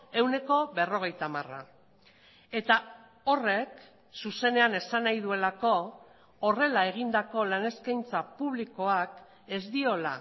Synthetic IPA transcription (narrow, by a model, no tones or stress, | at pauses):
e̞wne̞ko̞βe̞ro̞ɣ̞e̞jt̪amara̰ | e̞t̪a | o̞re̞k | suse̞ne̞ane̞sanajð̞ue̞lako̞ː | re̞lae̞ɣ̞ind̪ako̞lane̞skajnt͡sapuβ̞liko̞ak | e̞zd̪io̞la̰